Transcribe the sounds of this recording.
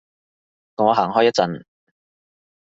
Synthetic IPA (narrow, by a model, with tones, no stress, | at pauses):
kɔ˨˥ŋɔː˨˧ɦaː˨˩ŋɦɔː˥jɐ˥t̚t͡sɐ˨˧n